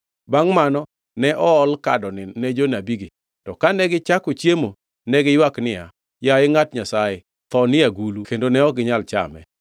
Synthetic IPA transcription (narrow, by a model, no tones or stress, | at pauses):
baŋmanɔ | nɛʔɔɔlkadɔnɪnɛd͡ʒonabiɡe | tɔkanɛɡɪt͡ʃakot͡ʃjemo | nɛɡɪjwaknɪja̰ | jaɪŋatɲasaje | t̪ɔnɪjaɡulukendonɛɔɡɪɲalt͡ʃa̰mɛ̰